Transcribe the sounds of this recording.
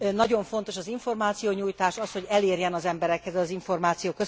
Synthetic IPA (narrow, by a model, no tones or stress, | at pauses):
nɒɟo̞ɱfo̞nt̪o̞ʃɒziɱfo̞rmaːt̪sijoːɲuːjt̪aːʃɒsho̞ɟɛleːrjɛnɒzɛmbɛɾɛkhɛzɛlɒziɱfo̞rmaːt̪sijoːkø